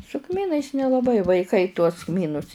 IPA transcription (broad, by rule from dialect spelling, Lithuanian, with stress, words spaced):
sʊ ˈkmʲiːnɐɪs nʲɛlˠɐˈbɐɪ ʋɐɪˈkɐɪ tuɔs ˈkmʲiːnʊs